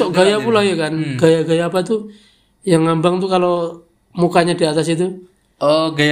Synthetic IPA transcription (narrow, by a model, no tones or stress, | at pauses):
ɔɡajapulajakanɡajaɡajapat̪u | jaŋːambaŋt̪ukalo | mukaɲadiat̪asit̪u | ɔɡa